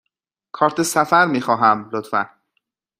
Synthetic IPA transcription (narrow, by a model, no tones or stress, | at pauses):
kʰɒːɾt̪ʰesæfæɾmiːxɒːɦæmlot̪fæ̰n